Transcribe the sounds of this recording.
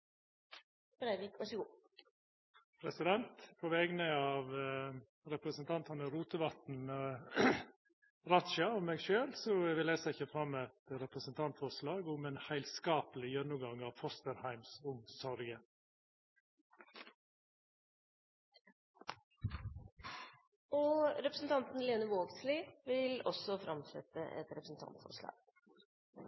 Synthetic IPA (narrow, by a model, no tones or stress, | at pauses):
b̥ɾæʋɪkʋæʂəɡuː | pʰɾɛsɪd̪ɛnt̪pʰɔʋɛːɡnəɑːʋ | ɾɛpɾəsənt̪ʰɑnt̪ʰɑnəɾuːt̪əʋɑt̪n̩ | ɾɑt̪ʃɑɔmeːɡʃøːlsɔʋɪleːsəɪçəfɾɑmːɛt̪ɾɛpɾəsənt̪ʰɑnt̪fɔslɑːɡʊmeːnhæɪlskɑːpəlɪjœnːʊɡɑŋɑːʋfɔst̪əɾhæɪmsʊmsɔɾɡə | ɔɾɛpɾəsn̩t̪ʰɑnt̪n̩leːnəʋoːɡslɪʋɪlɔ̰sɔfɾɑmsɛ̰t̪ə̰ʔɛ̰t̪ɾɛpɾsn̩t̪ʰɑ̰nt̪fɔ̰ɾʂlɑ̰ːɡ̥